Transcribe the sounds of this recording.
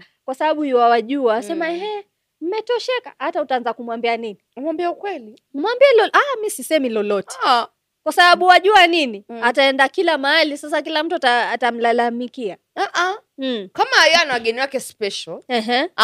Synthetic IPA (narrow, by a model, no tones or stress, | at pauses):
kwasaɓaɓuhiwawaʄuaːsɛmaɛ | m̩mɛtɔʃɛkahatautaanzakumwambianiniamwambiaukwɛli | nmwambiɛlɔʔamisisɛmilɔlɔtɛ̥ | kwasaɓaɓuwaʄuaniniataɛndakilamahalisas̬akilam̩tuataːtam̩lalamikia | aʔa | kamaianawaɠɛniwakɛspɛʃalɛɦ̩